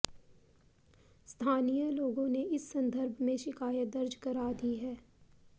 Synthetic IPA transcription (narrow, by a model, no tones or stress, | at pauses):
st̪ʰaːnijəloːɡõneɪsːɐ̃nd̪ʱəɾbʱmẽʃɪkaːjət̪̚d̪ɐɾd͡ʒkɐɾaːd̪iɦɛː